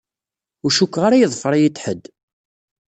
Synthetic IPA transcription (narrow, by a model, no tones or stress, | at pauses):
ʊɾʃukːʁaɾajəðˤfəɾˤajit̪ːħəd̪